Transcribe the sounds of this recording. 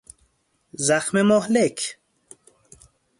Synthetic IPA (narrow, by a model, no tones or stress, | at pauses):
zaxmemoɦlekʰ